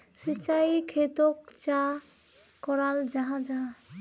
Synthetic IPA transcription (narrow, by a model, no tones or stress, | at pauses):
sit͡ɕajikʰet̪okt͡ʃa | kɔɾald͡ʒaɦãd͡ʑaɦã